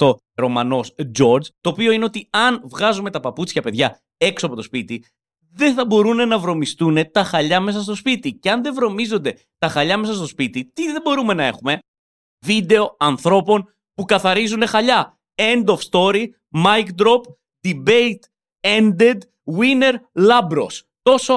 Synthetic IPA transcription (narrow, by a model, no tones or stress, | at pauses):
t̪o̞ | ɾo̞mɐno̞sd͡ʒo̞ɾd͡zt̪o̞ːpio̞ineo̞t̪iɐnvɣɐzume̞t̪ɐpɐput͡sçɐpe̞ðʝɐ | e̞ksoɐpo̞t̪o̞spit̪i | ðe̞θɐbo̞ɾune̞nɐvɾo̞mist̪une̞t̪ɐxɐʎɐme̞s̬ɐs̬t̪o̞spit̪ice̞ɐnðe̞vɾo̞mizo̞nd̪e̞ | t̪ɐxɐʎɐme̞sɐs̬t̪o̞spit̪it̪iðe̞bo̞ɾume̞nɐe̞̰xume̞ | vid̪e̞o̞ɐnθɾo̞po̞n | pukɐθɐɾizune̞xɐʎɐ | e̞nd̪o̞fst̪o̞ɾi | mɐjkd̪ɾo̞p | d̪̥ibe̞jt̪ | e̞nd̪ed̪ | wine̞ɾlɐbɾo̞̰s | t̪o̞so